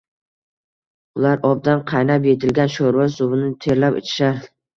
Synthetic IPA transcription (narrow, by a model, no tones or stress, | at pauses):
ʊlaɾɒb̚d̪anqʰɑjnapje̞t̪ʰɪlɡʲanʃoɾvasʊbɪnɪt̪ʰe̞ɾlapɪ̰t͡ʃʰɪ̥ʃaɾ